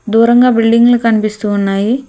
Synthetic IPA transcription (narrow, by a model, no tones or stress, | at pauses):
d̪uːɾɐŋɡaːbilɖiŋɡulukɐnipist̪uːnːaːji